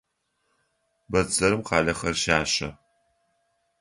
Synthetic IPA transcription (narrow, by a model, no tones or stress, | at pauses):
bɐd͡zɐɾɨmqɑːɮɐχɐrʃaːɕɐ̰